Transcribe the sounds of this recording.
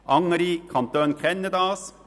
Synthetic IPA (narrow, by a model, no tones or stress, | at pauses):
ʔɑŋəɾikʰɑnt̪øːnkʰɛnːəd̪ɑːs